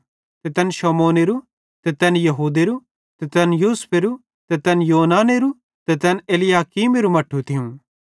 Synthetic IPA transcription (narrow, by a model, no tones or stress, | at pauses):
t̪ɛt̪ɐnʃɔːmoːneɾu | t̪ɛt̪ɛnjɐɦuːd̪eɾu | t̪ɛt̪ɛnjuːspʰeɾu | t̪ɛt̪ɐnjoːnaːneɾu | t̪ɛt̪ɛneːlɪjaːkiːmeɾumɐʈʰːut̪ʰɪjũ